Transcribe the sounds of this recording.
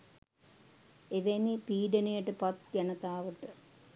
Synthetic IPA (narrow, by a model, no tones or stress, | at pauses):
eʋenipiːɖɐnejɐʈːɨpɐt̪̚ɡɐnɐt̪aːʋɨʈːɨ